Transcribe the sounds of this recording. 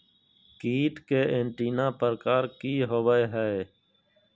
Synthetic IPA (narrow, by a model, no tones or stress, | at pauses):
kiːʈ̪keːeɳʈiːnãːpəɾkaːɾkiːɦoʋəeɦɛe